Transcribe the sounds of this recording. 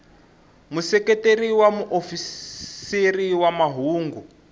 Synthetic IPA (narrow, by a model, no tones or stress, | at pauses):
musɛketeɾiwamuʔofisiriwamaɦuːŋɡu